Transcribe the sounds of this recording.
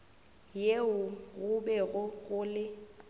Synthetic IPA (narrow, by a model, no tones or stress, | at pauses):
jeʊɣʊbɛɣʊɣʊlɪ